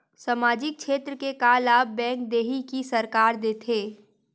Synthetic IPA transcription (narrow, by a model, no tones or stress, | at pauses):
sɐmaːd͡ʒɪk̚kʃʰeːt̪ɾəkekaːlaːp̚bɛ̃ːŋk̚d̪eːɦikisɐɾkaːɾd̪eːt̪ʰeː